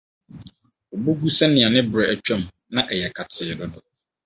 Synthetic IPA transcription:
o˨bu˦ɡu˦sɛ̃˦nɪ̃˨a˨nɪ̃˦bʊ˨ɾɛ˨æ˨t͡ɕᶣɛ̃˦˨m˨ | nã˦ʔɛ˨jɛ˨kʰa˨tʰɪ˨dɔ˦dɔ˨

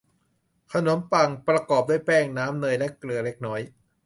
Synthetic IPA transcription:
kʰa˧no˩˦mpa˨˩ŋpɾa˧kɔː˨˩p̚du˥˩jpɛː˥˩ŋnaː˦˥mnɤː˧jlɛ˦˥˩klɯ˧ɐle˦˥k̚nɔː˦˥j

